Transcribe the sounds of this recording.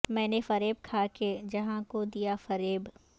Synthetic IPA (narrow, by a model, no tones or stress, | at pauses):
mɛ̃ːnefɐɾeːb̚kʰaːked͡ʒɐɦãkod̪ijafɐɾeːb